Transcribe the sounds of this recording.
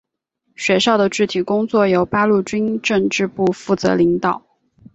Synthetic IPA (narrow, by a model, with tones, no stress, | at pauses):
ɕɥɛ˧˥ʂɑ˥˩ʊd̪ə˩ʈ͡ʂɻ̩˥˩t̪ʰi˨˩kʊ˥ŋt͡swɔ˥˩jo˨˥ʊpa˥lu˥˩t͡ɕi˥nʈ͡ʂɤ˥˧ŋʈ͡ʂɻ̩˥˧pu˥˧fu˥˩t͡sɤ̰˧˥li˧˥ŋt̪ɑ˨˩˦ʊ